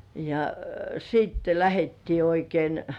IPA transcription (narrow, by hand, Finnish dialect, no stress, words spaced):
jɑ siːtːe læhetːiː oikein